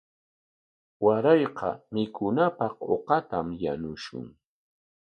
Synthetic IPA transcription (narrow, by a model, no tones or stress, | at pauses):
waɾɑjqɑ̰mɪkʊnapɑqo̰qɑt̪amja̰nʊʃʊ̰ŋ